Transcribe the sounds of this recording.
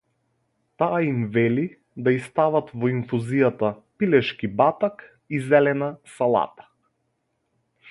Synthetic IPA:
t̪aːimvɛli | d̪aist̪avat̪vɔiɱfuzijat̪apilɛʃkibat̪ak | izɛlɛnasalˠa̰t̪ḁ

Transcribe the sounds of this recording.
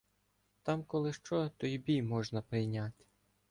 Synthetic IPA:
t̪ɑmkɔlˠɪʃt͡ʃɔt̪ɔjbʲimɔʒnɐpɾɪjnʲat̪ʲ

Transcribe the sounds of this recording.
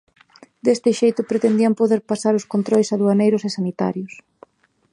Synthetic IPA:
d̪est̪ɪʃejt̪ʊpɾet̪end̪iampoðeɾpasaɾʊskont̪ɾɔljsaðuanejɾʊsesanit̪a̰ɾjʊs

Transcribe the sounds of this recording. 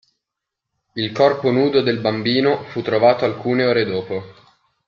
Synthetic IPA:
ilkɔrponuːd̪od̪elbambiːnofut̪ːɾovaːt̪oalkuːneoːɾed̪oːpo

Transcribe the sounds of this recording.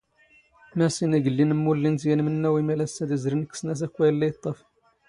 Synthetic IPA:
mæsinæɡəlːinəmːulːint̪jænmənːæwimælæsːæd̪izɾinəkːə̥snæs̬ækʷːæjəlːæjt̪ˤːɑf

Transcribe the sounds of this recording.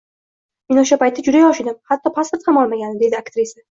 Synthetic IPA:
me̞noʃ̬apajt̪ʰːad͡ʒʊd̪ajɒʃɪd̪ɪmhat̪ʰːɒpʰaspoɾt̪χamɒlˠmaɡʲanɪd̪e̞d̪ɪakt̪ɾisa

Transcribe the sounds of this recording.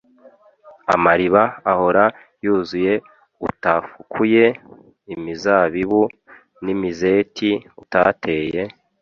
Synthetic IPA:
a̰maɾiβaːho̞ɾa | juːzuje̞ | utafukʰuje̞ | imizaːβiβu | nimizetʰiuta̰te̞ːje̞

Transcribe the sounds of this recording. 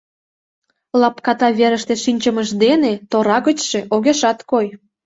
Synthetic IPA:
lɑpkɑt̪ɑβeɾəʃt̪eʃinʲt͡ɕəməʃd̪enet̪oɾɑɣət͡ɕʃeʔoɣeʃɑt̪koj

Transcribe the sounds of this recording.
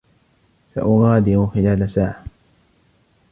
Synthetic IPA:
fa̰ʔʊɣɑːd̪ɪɾʊxɪlaːlasaːʕa

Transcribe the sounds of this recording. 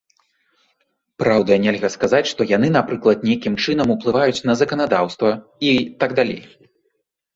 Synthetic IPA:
pɾawd̪ɐnʲɛlʲɣɐskazat͡sʲʂt̪ɔjan̪ɨnapɾɨklˠɐt̪̚nʲejkʲimt͡ʂɨnɐmuplˠɨvajut͡sʲn̪ɐzɐkɐnad̪awst̪vɐit̪aɡd̪alʲḛj

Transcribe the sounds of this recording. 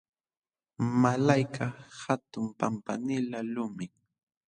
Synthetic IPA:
malajkʰahat̪ʊmpampa̰nɪlalʊmɪ

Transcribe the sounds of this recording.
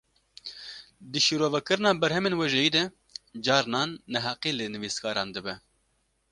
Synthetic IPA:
d̪ɨʃiɾoːvɛkɨɾɨnɑːbɛɾhɛmeːnwɛʒɛjiːd̪ɛ | d͡ʒɑːɾnɑːnːɛɦɑːqiːlɨnɨviskʰɑːɾɑːnd̪ɨbɛ

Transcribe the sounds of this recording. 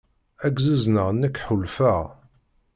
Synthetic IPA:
æɡzuznəʁnːəkːħulfəʁ

